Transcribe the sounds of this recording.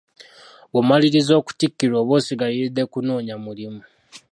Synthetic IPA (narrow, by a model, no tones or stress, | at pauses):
βomaliɾizo̞ːku̥tikːiɾo̞ːβoːsiɡaliɾide̞kunoːɲamulimu